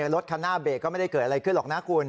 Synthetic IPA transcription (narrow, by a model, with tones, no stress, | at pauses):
a˨˩ɾo˦˥t̪̚kʰaː˧nːaː˥˩beː˨˩k̚kɔː˥˩ma˥˩jda˥˩kɤː˨˩t̪̚ʔa˧ɾa˧jkʰɯ˥˩˨nlɔː˨˩k̚naː˦˥kʰu˧n